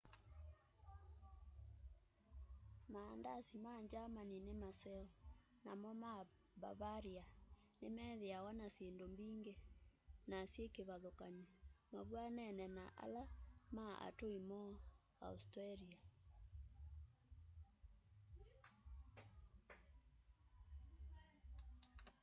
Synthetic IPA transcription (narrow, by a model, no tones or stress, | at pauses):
maːndasimaɲd͡ʒamaninemasɛɔ | namɔma | βa̰βaɾia | nemɛðeawanaseːndombiːŋɡenasjekeβaðokaɲimaβwanɛnɛnaʔa̰lamaa̰toimɔ | a̰ustɾaɾia